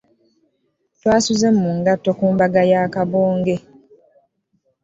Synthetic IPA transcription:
twaːsuzɛm̩ːuŋɡatɔkumbaɡajaːkabɔːŋɡe

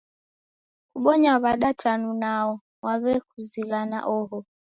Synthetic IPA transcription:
kuɓɔɲaβaɗatanunaɔ | waβɛkuzilana̰ʔɔɦɔ

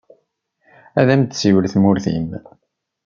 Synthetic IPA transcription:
æðæmt̪siwəɾθmʊɾθḭm

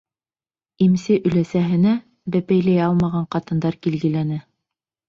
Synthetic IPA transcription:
imsɘʔɵ̆læsæɦɘ̆næ | bæpæjlæjɑlˠmɑʁɑɴqɑt̪ɤ̆nd̪ɑɾkilɡɘ̆lænɘ

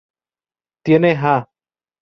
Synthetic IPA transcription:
t̪jeneɦã

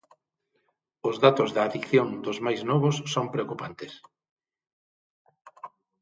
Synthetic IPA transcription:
ʊzðat̪ʊzðɐːðikθjoŋd̪ʊzmajznɔβʊsːompɾeokupant̪ɪs

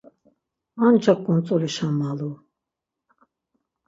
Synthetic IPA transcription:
and͡ʒakʼːunt͡sʼɔliʃamːalu

